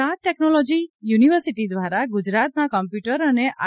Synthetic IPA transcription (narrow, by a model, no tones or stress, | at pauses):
at̪̚ʈɛknɔlɔd͡ʒijuniʋəɾsiʈid̪ʋaɾaɡud͡ʒɾat̪̚nakəmpjuʈəɾəneʔʔa̰